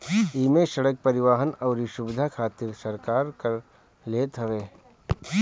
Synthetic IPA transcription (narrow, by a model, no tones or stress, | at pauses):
iːmeʃɐɽək̚pɐɾɪʋaːɦənɔːɾiʃʊbɪd̪ʱakʰaːt̪ɪɾsɐɾkaːɾkəɾ | leːt̪ɦɐʋeː